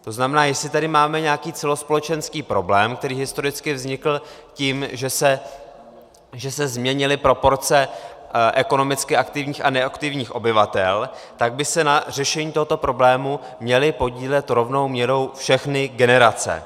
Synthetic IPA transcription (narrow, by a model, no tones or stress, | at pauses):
t̪o̞znamɛnaːjɛslɪt̪adɪmaːmɛɲɛakiːt͡sɛlo̞spo̞lɛt͡ʃɛnskiːpɾo̞blɛːmk̚t̪ɛɾiːɦɪst̪o̞ɾɪt͡skɪvzɲɪkl̩ | ciːmʒɛsɛ | ʒɛsɛzmɲɛɲɪlɪpɾo̞po̞ɾt͡sɛʔɛko̞no̞mɪt͡skɪʔakt̪ɪvɲiːxanɛakt̪ɪvɲiːxʔo̞bɪvat̪ɛlt̪aɡ̚bɪsɛnar̝ɛʃɛɲiːt̪o̞ɦot̪o̞pɾo̞blɛːmu | mɲɛlɪpo̞ɟiːlɛt̪ɾo̞vno̞wmɲɛɾo̞wfʃɛxnɪɡɛnɛɾat͡sɛ̰